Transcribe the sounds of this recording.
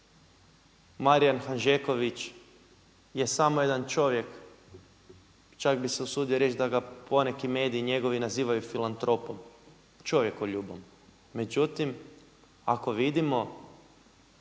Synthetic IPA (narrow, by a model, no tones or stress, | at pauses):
maɾijanxanʒeko̞ʋit͡ʃ | je̞samoje̞d̪ant͡ʃo̞ʋje̞k | t͡ʃakbise̞usuːd̪ioɾe̞t͡ʃd̪aɡapo̞ne̞kime̞ːd̪iːɲe̞ɡo̞ʋinaziːʋajufilant̪ɾo̞pom | t͡ʃo̞ʋje̞koʎuːbomː | e̞d͡ʒut̪im | a̰ko̞ʋid̪imo̞